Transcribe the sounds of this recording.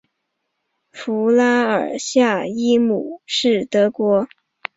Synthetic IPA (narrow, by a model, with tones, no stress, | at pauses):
fu˧˥la˥ə̰˞˨˩ɕja˥˩i˥mu˨˩˦ʂɻ̩˥˩t̪ɤ˧˥kwɔ˧˥